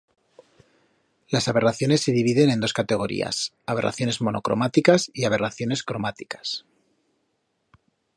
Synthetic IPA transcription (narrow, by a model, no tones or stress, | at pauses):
lasaβe̞raθjo̞nesːe̞ðiβiðe̞ne̞nd̪o̞skat̪e̞ɣ̞o̞ɾḭa̰s | aβe̞rʔa̰θjo̞ne̞zmo̞no̞̰kɾo̞̰mat̪ikasiaβ̞e̞raθjo̞ne̞skɾo̞mat̪ikḁs